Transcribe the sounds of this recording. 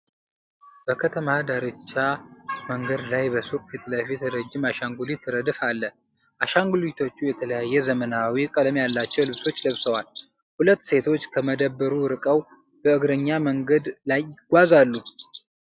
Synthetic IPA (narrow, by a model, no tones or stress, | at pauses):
b̥əkʰət̪ʰəmad̪aɾɨt͡ʃːaməŋɡəd̪lajbəsukʼfit̪ləfit̪ɾəd͡ʒːɪmaʃaŋɡulit̪ʰɨɾəd̪ɨfalːə | ʔaʃaŋɡulit̪ʰo̞t͡ʃːujɛt̪ʰələjajːɛzəmənawikʼələmjalːat͡ʃːɛwlɨβso̞t͡ʃːɡəβsəwal | hulət̪ːse̞t̪ʰo̞t͡ʃːkʰəməd̪əbːəɾuɾɨkʼəw | b̥əɨɡɾəɲːaməŋɡəd̪lajːɪɡ̥ʷazalːu